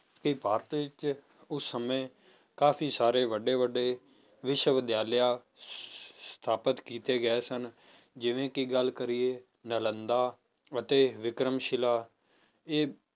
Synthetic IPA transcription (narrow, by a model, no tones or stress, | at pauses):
kipaːɾət̪ʋɪt͡ʃ | ʊsːəmẽː | kaːpʰiːsaːɾeːʋəɖeːʋəɖeː | ʋɪʃəʋəd̪jaːljaː | st̪ʰaːpət̪kiːt̪eːɡəeːsən | d͡ʒɪʋẽːkiɡəlkəɾiːeː | nələnd̪aː | ət̪eːʋɪkɾəmʃɪlaː | eː